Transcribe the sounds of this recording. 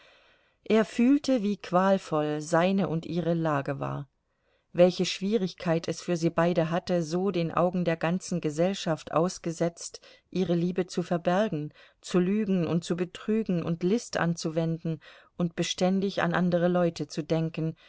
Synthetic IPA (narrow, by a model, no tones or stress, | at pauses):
ʔeːɐfyːltəviːkʰv̥aːlfɔlzaɪnəʔʊntʔiːʁəlaːɡəva̰ːɐ | vɛlçəʃv̥iːʁɪçkʰaɪtʰɛsfyːɐziːbaɪdəɦatəzoːdeːnʔa̰ʊɡŋ̩deːɐɡant͡sn̩ɡəzɛlʃaftʔa̰ʊsɡ̥əzɛt͡stʔiːʁ̞əliːbət͡sufɛɐbɛɐɡŋ̩ | t͡sulyːɡŋ̩ʊnt̚t͡subətʁ̥yːɡŋ̩ʔʊ̰ntlɪstʔa̰nt͡suvɛndn̩ʔʊntb̥əʃtɛndɪça̰nʔandəʁ̞əlɔʏtʰət͡sudɛŋkən̩